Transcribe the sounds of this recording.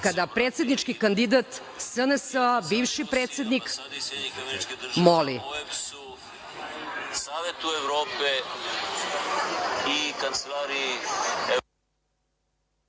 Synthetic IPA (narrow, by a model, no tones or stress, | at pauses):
kad̪apɾeːt̪sje̞d̪nit͡ʂkikand̪id̪at̪ | sənəsəabiːʋʃipɾet̪sʲed̪nik | molḭ | saːʋet̪ueʋɾoːpe | ikant̪selaɾiie